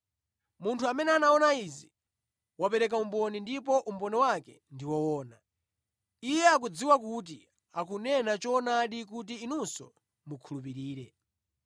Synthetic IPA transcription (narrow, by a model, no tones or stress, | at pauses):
muntʰuamɛnɛanaɔnaizi | wapɛɾɛk̬aumbɔnindipɔʔumbɔniwakɛ | ndiwɔwɔːna | ijɛak̬ud͡ziwakut̬i | akunɛnat͡ʃɔnaɗikutiːnunsɔ̰ | mukʰulup̬iɾiːɾɛ